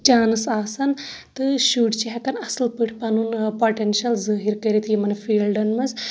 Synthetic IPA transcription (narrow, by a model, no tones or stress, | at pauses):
t͡ʃaːnɨsaːsɐnt̪ɨʃuːɖt͡ʃeɦɛkɐnɐslpɨʈʰpɐnunpoʈenʃɐlzəːɦiɾkɐɾit̪ʰijimɐnefʰiːlɖɐnmɐz